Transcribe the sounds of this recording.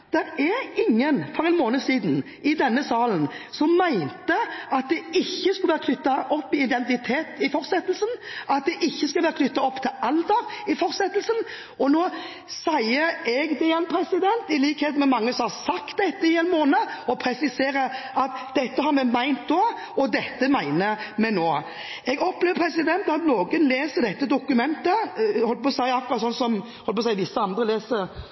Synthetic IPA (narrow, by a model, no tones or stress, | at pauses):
d̪̥ɛɾæɾɪŋːənfɔɾɛnmoːnəsiːd̪n | ʔɪd̪ɛnːəsɑːlənsɔmːæɪnt̪əɑt̪̚d̪ɛɪçːəskʉlʋæːɾəkʰlʏt̪ːɑʔɔpːɪɪd̪ɛnt̪ɪt̪ʰeːt̪ɪfɔʁsɛt̪əlsənɑt̪̚d̪ɛʔɪçːəskɑlʋæːɾəkʰlʏt̪ːɑɔpːt̪ʰɪlɑld̪əɾɪfɔɾsɛt̪ːəlsən | ɔnoː | sæɪəɛɡd̪ɛjɛnpʰɾɛsɪd̪ɛnt̪ɪliːkheːt̪mɛmɑŋːəsɔmhɑɾsɑkt̪̚d̪ɛt̪ːəɪeːnmoːnəɔpʰɾɛsɪseːɾəʔɑt̪d̪̥ɛt̪ːəhɑɾmɛmæɪnt̪̚d̪oː | ɔd̪ɛt̪ːəmæɪnəmɛnoː | ɛɡɔpleːʋəpʰɾɛsɪd̪ɛnt̪ɑt̪noːɡənleːsəd̪ɛt̪ːəd̪ʊkʉmɛnt̪əhɔlːəpɔːsæɪɑkːʊɾʁɑt̪sɔnsɔmhɔlːpʰɔsæɪʋɪsːəɑnd̪ɾəleːsəɾ